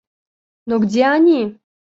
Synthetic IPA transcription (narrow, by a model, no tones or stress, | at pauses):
noɡdʲeanʲi